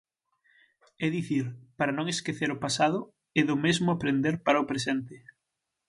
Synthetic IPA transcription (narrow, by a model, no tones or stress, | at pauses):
ɛðiθiɾpaɾanõŋeskeθeɾʊpasaðʊ | ɛðʊmezmʊapɾend̪eɾpaɾaʊpɾesɛnt̪ɪ